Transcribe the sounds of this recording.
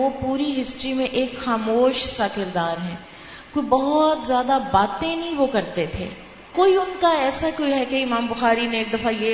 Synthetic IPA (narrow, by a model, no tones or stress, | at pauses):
opuːɾiɦɪsʈɾimẽʔeːkxaːmoːʃsaːkɪɾd̪aːɾɦɛ̃ː | koibɐɦɔt̪zjaːd̪abaːt̪ẽnɦĩʋokɐɾt̪et̪ʰḛː | koːiʊnkaɛːsakoiɦɛkeɪmaːmbʊxaːɾinẽeːk̚d̪ɐfaje